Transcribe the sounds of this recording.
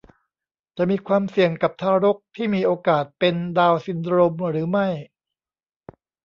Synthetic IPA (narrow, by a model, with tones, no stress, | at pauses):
t͡ɕa˨˩ʔmiː˧kʰwaː˧msi˨˩əŋka˨˩p̚t̪ʰaː˧ɾo˦˥k̚t̪ʰiː˥˩miː˧ʔoː˧kaː˨˩t̪̚pe˧ndaː˧wsi˧nɾo˧mɾɯː˩˦ma˥˩j